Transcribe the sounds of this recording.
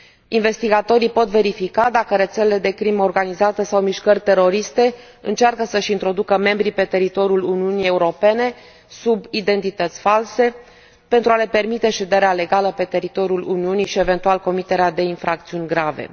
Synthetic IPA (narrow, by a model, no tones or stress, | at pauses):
inve̞st̪iɡat̪o̞ɾipo̞t̪ve̞ɾifikad̪akəɾe̞t̪selele̞d̪e̞kɾimo̞rɡanizat̪əsawmiʃkərʲt̪e̞ɾo̞ɾist̪e̞ | ɨnt͡ʃarkəsəʃint̪ɾo̞d̪ukəme̞mbɾipe̞t̪e̞ɾit̪o̞ɾʲjuluniunije̞uɾo̞pe̞ne̞ | subid̪e̞nt̪it̪ət̪sʲfalse̞ | pe̞nt̪ɾuale̞pe̞rmit̪e̞ʃe̞d̪e̞ɾeale̞ɡaləpe̞t̪e̞ɾit̪o̞ɾjuluniuniʃie̞ve̞nt̪ualko̞mit̪e̞ɾead̪e̞infɾak̚t̪siunʲɡɾave̞̰